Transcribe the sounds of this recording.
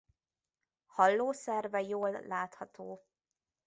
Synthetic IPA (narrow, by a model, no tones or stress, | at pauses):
hɒlːoːsɛrvɛjoːlːaːt̪hɒt̪ʰoː